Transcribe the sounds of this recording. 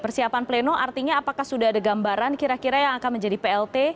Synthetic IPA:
pərsiapanplenoʔart̪iɲaːpakahsudaɦadaɡambaɾankiɾakiɾajaŋakanməɲd͡ʒadipeɛlt̪e

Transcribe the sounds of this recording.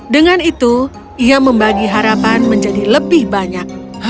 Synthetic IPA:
dəŋanit̪u | iaməmbaɡiɦaɾapanməɲd͡ʒadiləbɪhbaɲak̚

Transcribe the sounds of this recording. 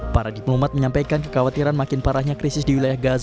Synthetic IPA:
paɾadiplɔmat̪̚məɲampajkankəkawat̪iɾanmakɪnpaɾahɲakɾisɪsdiwilajahɡaza

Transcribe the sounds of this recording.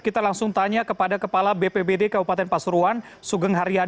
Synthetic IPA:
kit̪alaŋsʊŋt̪aɲakəpadakəpalabepebedekabupat̪ɛnpasuɾuan | suɡəŋɦaɾia

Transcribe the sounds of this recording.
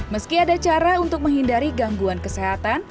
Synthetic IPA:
məskiadat͡ʃaɾaunt̪ʊk̚məŋɦindaɾiɡaŋɡuankəseɦat̪an

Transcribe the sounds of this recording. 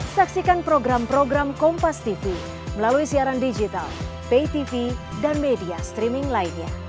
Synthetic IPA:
saksikanpɾoɡɾampɾoɡɾamkɔmpast̪ifi | məlaluisiaɾandid͡ʒit̪a̰lpejt̪ifidanmediast̪ɾimɪŋlainɲa

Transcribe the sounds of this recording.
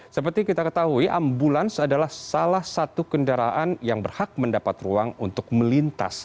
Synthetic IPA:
səpərt̪ikit̪akət̪aɦuiʔambulansadalahsalahsat̪ukəndaɾaʔanjaŋbərhak̚məndapat̪ruaŋunt̪ʊk̚məlint̪a̰s

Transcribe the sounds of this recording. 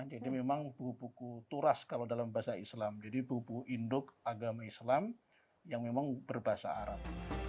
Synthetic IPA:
d͡ʒadimemaŋbukupukut̪uɾaskaladalambaasaislamd͡ʒadibukupukuʔindʊkaɡamaislam | jaŋmemaŋbərbaɦasa̰aɾap̚

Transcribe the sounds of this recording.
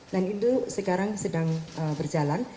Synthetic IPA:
danit̪usəkaɾaŋsədaŋəbərd͡ʒalan

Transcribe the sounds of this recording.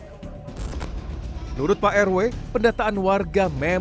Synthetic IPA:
mənuɾʊt̪̚paʔɛrwepəndat̪aːnwarɡamɛ

